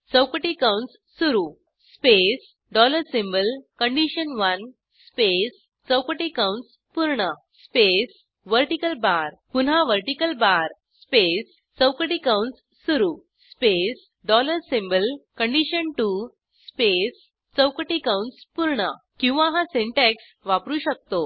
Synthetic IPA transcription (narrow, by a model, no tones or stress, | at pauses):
səwkəʈikawɳʈsːuɾu | spes | ɖɔləɾsĩmbəlkəɳɖiɕənʋən | spes | t͡səwkəʈikawɳʈs | puɾɳə | spes | ʋəɾʈikəlbaɾpunɦãʋəɾʈikəlbaɾ | spes | t͡səwkəʈikawɳʈs | suɾu | spes | ɖɔləɾsimbəlkəɳɖiɕənʈu | spes | t͡səwkəʈikãwɳʈspuɾɳə | kĩw̃ʋãɦãseɳʈɛks | ʋapɾuɕək̚t̪o